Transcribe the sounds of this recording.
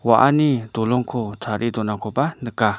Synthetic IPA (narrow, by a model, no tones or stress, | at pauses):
waʔa̰nid̪olɔŋkʰot͡sʰaɾʔid̪onakʰopanəkːa